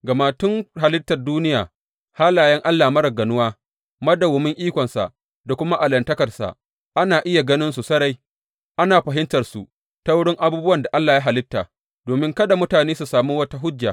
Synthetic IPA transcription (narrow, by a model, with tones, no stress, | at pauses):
ɡɐ˨maː˨tʊ˦ŋha˨lɪ˦tːɐ˨rduː˦nɪ˦jaː˨ | haː˦laː˨jɛ˦ŋʔa˦lːaː˨mɐ˦ɾɐ˨ɡɐ˨nʊ˦waː˦ | mɐ˦da˨wʊ˨mɪ˦ŋʔiː˦kʷɔ˨nsa̰˨ʔ | da˨kʷʊ˦ma˦ʔa˨lɐ˨ntɐ˦kɐ˨rsa̰˨ | ʔa˦naː˨ʔɪ˦ja˨ɡɐ˦nɪ˦nsu˨sɐ˦ɽa˦j | ʔa˦naː˨ɸɐ˨ɦɪ˦ntɐ˨rsu˨ | ta˦wʊ˦ɽɪ˦ŋʔa˦buː˦bʊ˦wɐ˨nda˨ʔa˦lːaː˨ja˦ɦa˨lɪ˦tːaː˨ | doː˨mɪ˦ŋkɐ˦da˨mʊ˦taː˨neː˦su˨saː˨muː˦wɐ˦ta˦ɦʊ˦d͡ʒːa˨